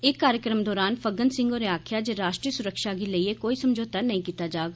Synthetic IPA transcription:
ɪkːaːɾjəkɾəmd̪ɔːɾaːnpʰəɡənsɪ̃ŋɡoːɾeaːkʰjaːd͡ʒeɾaːʃʈɾiːəsʊɾəkʃaːɡiləiekoːisəmd͡ʒoːt̪anɐɦĩːkiːt̪ad͡ʒaːɡa

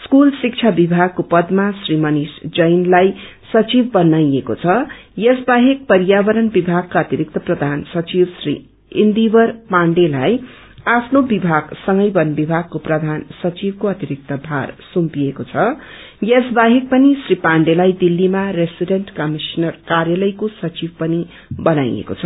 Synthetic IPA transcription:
skulsik̚t͡ʃʰabibʱaɡ̚kopʌd̪masrimʌnisd͡zʌjnlaj | sʌt͡sibbʌnajeko̰t͡sʰʌjesbaɦek̚pʌɾjabʌɾʌnbibʱaɡ̚kaʌt̪iɾik̚t̪ʌprʌd̪ʱansʌt͡sibsrḭ | ind̪ibʌrpaɳɖelaj | apʰnobibʱaɡsʌŋɡʌjbʌnbibʱaɡ̚koprʌd̪ʱansʌt͡sibkoʌt̪iɾik̚t̪ʌbʱarsumpiekot͡sʰʌ | jesbaɦek̚pʌnisripaɳɖelajd̪ilːimaresiɖeɳʈkʌmisnʌrkarjʌlʌjkosʌt͡sibpʌni | bʌnajḛko̰t͡sʰʌ

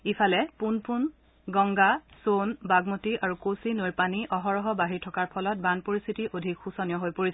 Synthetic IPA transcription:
ipʰalɛpunpun | ɡɔŋɡasonbaɡmotiʔaɹukosinojpaniʔɔɦɔɹɔɦɔbaɦiɹtʰɔkaɹpʰɔlɔt̚banpoɹist̪ʰitiʔodʱikxusɔnijɔɦojpoɹisɛ

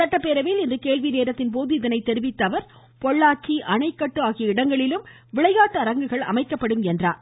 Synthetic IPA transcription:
sɐʈːɐpːeːɾɐʋelɪndrɯkeːɭʋineːɾɐt̪ːɪnpoːðɯɪðɐnɐɪt̪ːɛɾɪʋɪt̪ːɐʋɐɾ | pɔɭːaːʈ̚t͡ʃːiʔɐɳɐɪkːɐʈːɯaːɣɪjɐɪɽɐŋɡɐɭɪlɯm | ʋɪɭɐɪjaːʈːɯɐɾɐŋɡɯɣɐɭɐ̰mɐɪkːɐpːɐɽɯmɛndra̰ːɾ

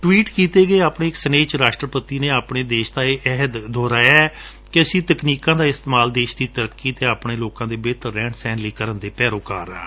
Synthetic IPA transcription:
ʈʋiːʈkiːt̪eːɡəeːaːpɳeːɪksəneːt͡ʃɾaːʃʈɾəpət̪iːneːaːpɳeːd̪eːʃd̪aːeːʔɛɦəd̪d̪ɔːɾaːɛː | kɪəsĩːt̪əkniːkãːd̪aːɪst̪ːmaːld̪eːʃd̪iːt̪əɾəkːiːt̪eːaːpɳeːloːkãːd̪eːbeːt̪əːɛ̃ːʈsɛ̃ːnliːkəɾənd̪eːpɛːɾoːka̰ːɾã̰ː

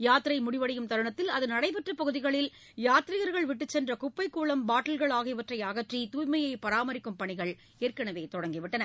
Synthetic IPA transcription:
jaːt̪ːɪɾɐɪmʊɽɪʋɐɽɐjɯmt̪ɐɾɯɳɐt̪ːɪlɐðɯnɐɽɐɪpɛʈrɯpːɐɣɯðɪɣɐɭɪl | jaːt̪ɪɾɪɣɐɾɣɐɭʋɪʈ̬ːɯt͡ʃsɛndrɐkʊpːɐɪkːuːɭɐmbaːʈːɐlɣɐɭaːɣɪʋɐʈrɐɪjɐɣɐʈrit̪uːjmɐjɐɪpɐɾaːmɐɾɪkːɯmpɐɳɪɣɐɭ | eːrkɐɳɐʋeːt̪ɔɽɐŋɡɪʋɪʈːɐnɐ

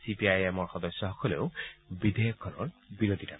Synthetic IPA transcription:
sipiajemɔɹxɔd̪ɔsjɔɦɔkɔlḛʊbid̪ejɔkʰːɔnɔɹbiɾod̪ʱita̰

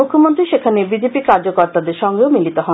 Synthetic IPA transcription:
ukʰːomont̪ɾiʃekʰanebid͡ʑepikaɾd͡ʑokoɾt̪ad̪eɾʃɔŋɡeomilit̪oɦɔ

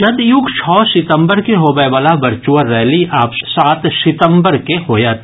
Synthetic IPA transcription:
d͡ʒɐd̪jʊɡt͡ʃʰɔːsɪt̪ə̃mbəɾkeɦoːbeʋaːlaʋɐɾt͡ʃuəɾːɛːliʔaːpsaːt̪sɪt̪ə̃mbəɾkeɦoːjaːt̪

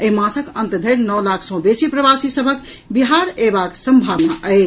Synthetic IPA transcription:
emãsəkənt̪əd̪ʱəjɾnɔwlakʰsɔ̃besipɾəbasisəbʱək | biɦaɾebaksəmbʱabnaʔəj

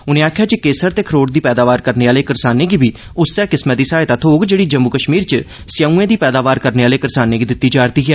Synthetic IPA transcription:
ʊnẽːaːkʰjaːt͡ʃikeːsəɾt̪eːkʰɾoːʈ̚d̪iːpɛːd̪aːʋaːɾkəɾneːaːleːkəɾsaːnẽːɡiːbʱiː | ʊsːɛːkɪsmɛ̃ːd̪iːsaːet̪at̪ʰoːɡd͡ʒeːɽiːd͡ʒəmbuːkəʃmiːɾt͡ʃə | sjauːẽːd̪iːpɛːd̪aːʋaːɾkəɾneːaːleːkəɾsaːneːɡiːd̪ɪt̪ːiːd͡ʒaːɾt̪iːɦɛː

